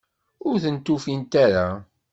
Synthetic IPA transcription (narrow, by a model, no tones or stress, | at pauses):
ʊɾθənt̪ːufint̪aɾa